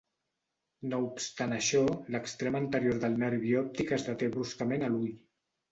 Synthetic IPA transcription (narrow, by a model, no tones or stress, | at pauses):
noupst̪anəʃɔləkst̪ɾemənt̪əɾjoɾðəlˠnəɾβiɔp̚t̪ikəzðət̪eβɾuskəmenəluj